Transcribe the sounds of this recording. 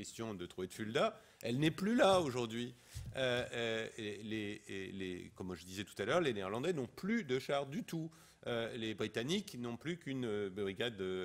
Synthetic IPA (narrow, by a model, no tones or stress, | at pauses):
ɛst̪jɔ̃d̪ət̪χuved̪əfyld̪a | ɛlnɛplylaoʒuʁd̪ɥi | ø | leelḛkɔmʒəd̪izɛt̪u̥t̪alœʁleneːʁlɑ̃d̪ɛnɔ̃plyd̪əʃaʁd̪yt̪u | ølebʁit̪aniknɔ̃plykynøbʁiɡʲad̪ø